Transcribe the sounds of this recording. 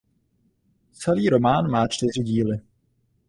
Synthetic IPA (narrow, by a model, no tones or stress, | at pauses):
t͡sɛliːɾo̞maːnmaːt͡ʃt̪ɪr̝ɪɟiːlɪ